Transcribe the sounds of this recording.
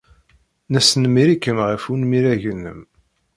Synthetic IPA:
næsənmiɾikːəmʁəfunmiɾæʝənːə̰m

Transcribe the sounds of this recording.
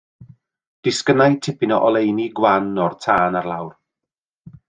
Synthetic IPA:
d̥ɪskənajtʰɪpʰɪnɔʔɔlˠejniɡwanːɔrtʰaːnarlˠawr

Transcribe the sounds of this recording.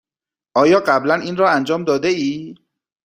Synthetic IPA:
ʔɒːjɒːɢæblænʔiːnrɒːænd͡ʒɒːmd̪ɒːd̪eiː

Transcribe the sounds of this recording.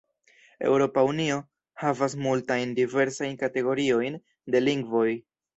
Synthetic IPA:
e̞̰wɾo̞paunio̞ | havas̬multajndive̞ɾsajnkate̞ɡo̞ɾio̞jn | de̞liŋɡvo̞j

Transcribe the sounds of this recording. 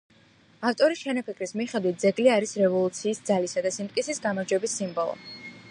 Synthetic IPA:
aft̪ʼɔɾiʃɛnapʰikʰɾismiχɛd̪wit̪̚d̪zɛɡliaɾisɾɛvɔlˠut̪sʰiːsd̪zalisad̪asimt̪kʼisisɡamaɾd͡ʒwɛbisːimbɔlˠɔ̰

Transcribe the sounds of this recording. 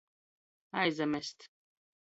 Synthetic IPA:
ajzɐmɛst̪

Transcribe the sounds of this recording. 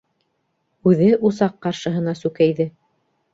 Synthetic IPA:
ʉðɘʔusɑqːɑɾʃɤ̆ɦɤ̆nɑsʉkæjðɘ

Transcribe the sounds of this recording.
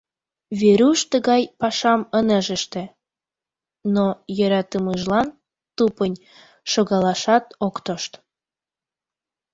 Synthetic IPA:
βeɾuʃt̪əɣɑjpɑʃɑmənəʒə̆ʃt̪ĕ | nojəɾɑt̪əməʒlɑn | t̪upənʲ | ʃoɣɑlɑʃɑt̪okt̪oʃt̪

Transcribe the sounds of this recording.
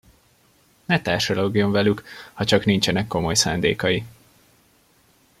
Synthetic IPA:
nɛt̪aːrʃoloɡijoɱvɛlykhɒt͡ʃɒknint͡ʃɛnɛkːo̞mo̞jsaːnd̪ḛːkɒji

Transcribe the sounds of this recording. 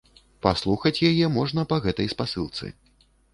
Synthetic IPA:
paslˠuxɐt͡sʲjajɛmɔʐnɐpɐɣɛt̪ɐjspasɨlˠt̪sɨ̰

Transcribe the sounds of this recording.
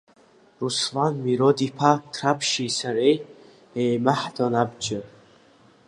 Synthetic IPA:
ruslanmiɾod̪ipʰakt̪ʰrapʰʃisaɾej | ejmaħd̪onabd͡ʒɨ

